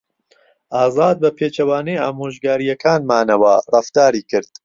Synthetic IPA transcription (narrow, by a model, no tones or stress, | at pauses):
ʔaːzaːd̪̚bɐpʰeːt͡ʃɐwaːnɛjaːmoːʒɡaːɾijɐkʰaːnmaːnɐwɐrˤɐft̪aːɾiːkɨɾd̪̥̚